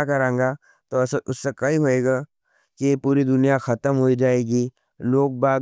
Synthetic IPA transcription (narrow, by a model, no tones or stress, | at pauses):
akɐɾãːŋɡa | t̪osʊsːekɐiɦoeːɡa | kipuːɾid̪ʊnijaxʰɐt̪əmɦoid͡ʒaːeːɡi | loːk̚baː